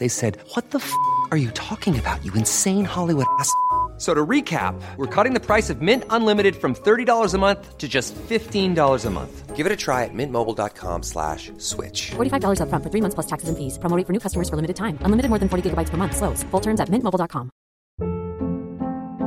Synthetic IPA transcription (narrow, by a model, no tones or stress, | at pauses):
ðeɪsɛd̚wʌt̪̚ðəfə˞jɨtʰɔkɪ̃ŋɨbaʊt͡ʃɨɨ̃nsẽɪ̃nhɑlˠiwʊɾæssoʊɾəɹikʰæ̰p̚wəɹkʰʌɾɪ̃ŋðɨpʰɹ̥aɪsʌvmɪ̃ntə̃nlɪ̃mɨɾɨd̥fɹʌ̃mθɜ˞ɾidɔlˠə˞zəmʌ̃nθtʰɨd͡ʒʌstfɪftĩndɔlˠə˞zəmʌ̰̃nθɡ̥ɪvɨɾɨtʰɹ̥aɪɨt̚mɪ̃nmoʊbl̩ˠdɑ̰t̚kʰɑ̰̃mslæ̰ʃ | swɪ̰t͡ʃfɔɹɾifaɪvdɔlˠə˞zʌfɹʌ̃ntfə˞θɹimʌ̃nθspl̥ʌstʰæksɨz̃n̩fiz̥pɹ̥omoʊɾɪ̃ŋfə˞nʉkʰʌstəmə˞z̥fə˞lɪmɨɾɨd̚tʰãɪ̃mə̃nlɪ̃mɨɾɨd̚mɔɹðɨ̃nfɔɹɾiɡɪɡəbaɪtspə˞mʌ̃nθsloʊz̥fʊlˠtʰɜ̃˞mzɨt̚mɪ̃nʔmoʊblˠdɑt̚kʰɑ̃m